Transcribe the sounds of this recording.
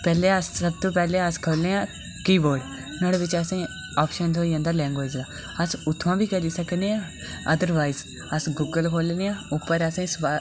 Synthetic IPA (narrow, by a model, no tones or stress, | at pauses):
pɛːleəssɐb̚t̪opɛɦleaskʰoːlẽã | kiːboːɽ | nɐɽeʋɪt͡ʃɐsẽ | ɔːpʃənsoːiãnd̪aːlɛ̃ːŋɡʋeːd͡ʒd̪aː | ɐsʊt̪ʰːʋãːbʱiːkɛd̪isɐkneãː | ɐd̪əɾʋaːɪz | ɐsɡuːɡəlkʰoːlneãːʊpːəɾɐsẽsa